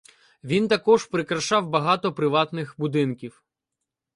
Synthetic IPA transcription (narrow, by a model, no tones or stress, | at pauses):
ʋʲint̪ɐkɔʒpɾɪkɾɐʃɑwbɐɦɑt̪ɔpɾɪʋɑt̪nɪxbʊd̪ɪnkʲiw